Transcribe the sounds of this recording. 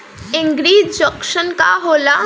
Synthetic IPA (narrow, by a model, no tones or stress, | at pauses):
ɪ̃ŋɡɾiːd͡ʒd͡ʒɔkʃənka̰ɦoːla